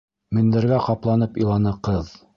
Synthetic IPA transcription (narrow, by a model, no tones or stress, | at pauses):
mɘ̆nd̪æɾɡæqɑplˠɑnɤpilˠɑnɤqɤð